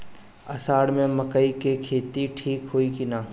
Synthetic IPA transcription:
ɐsaːɽmẽmɐkəikekʰeːt̪iʈʰiːkɦoːikinaː

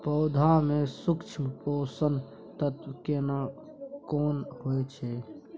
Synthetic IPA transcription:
pəʊd̪ʱamẽsʊkt͡ʃʰpoːsən | t̪ət̪ʋəkena | koːnɦoet͡ʃʰɛ

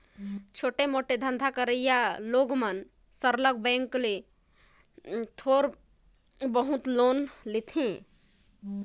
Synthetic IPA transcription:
t͡ʃʰoːʈemoʈed̪ʱə̃nd̪ʱakəɾəjaloːɡmən | səɾlək̚bɛ̃ːŋkle | t̪ʰoːɾ | bəɦut̪loːnlit̪ʰẽ

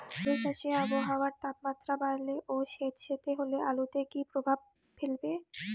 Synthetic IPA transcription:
beʃaʃeaboɦawaɾt̪apmat̪ːɾabajleʔoʃet̪ʃet̪eɦoleʔalut̪ekipɾobʱab̚ | fʰelbe

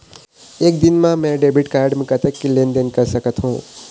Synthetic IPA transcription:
eːk̚d̪ɪnmãmɛ̃ɖeːbiʈkaːɾɖmẽkət̪əkːileːnd̪enkəɾsəkət̪ɦũː

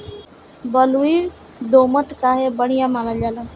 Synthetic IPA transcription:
bəluwiːɾ | d̪oːməʈkaːɦebəɽ̤̃ijamalad͡ʒaːla

